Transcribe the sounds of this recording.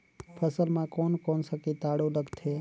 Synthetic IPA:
pʰəsəlmãkɔːnkonsəkit̪aɽoləɡt̪ʰe

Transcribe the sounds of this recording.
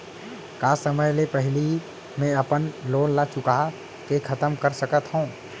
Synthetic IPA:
kaːsəməjlepɛɦɪli | mẽɐpənloːnlat͡ʃʊka | kekʰɐt̪əmkəɾsəkət̪ɦõː

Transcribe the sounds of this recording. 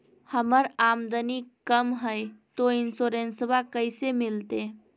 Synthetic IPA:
həməɾamd̪ənikəmɦəjt̪oinsoɾensbakəɪsemilt̪e

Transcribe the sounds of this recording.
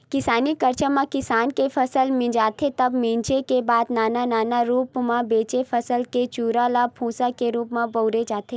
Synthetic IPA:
kɪsaːnikɐɾt͡ʃamãkɪsaːnkefʰɐsəlmẽd͡ʒaːt̪ʰet̪ɐbmɪ̃ːɲt͡ʃekebaːd̪naːnanaːnaɾuːpmãbeːt͡ʃefʰɐsəlket͡ʃuːɾalapʰũːsakeɾuːpmãboːɾed͡ʒaːt̪ʰe

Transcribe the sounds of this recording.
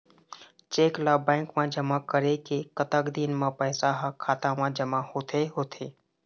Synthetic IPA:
t͡ʃeːklaːbɛ̃ːŋkmãːd͡ʒəmaːkəɾekekət̪əkd̪iːnmãːpəːsaːɦakʰaːt̪ãːmãːd͡ʒəmaːhoːt̪ʰeɦoːt̪ʰeː

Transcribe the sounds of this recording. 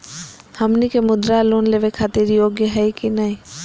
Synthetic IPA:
hɐmnikemʊd̪ɾaloːnleːʋekʰaːt̪ɪɾjoːɡjəɦəjkinai

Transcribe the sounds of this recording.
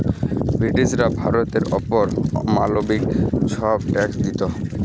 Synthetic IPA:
bɾiʈid͡ʑɾabʱaɾot̪eɾɔ̰poɾma̰lobikʃɔbʈɛksd̪it̪o

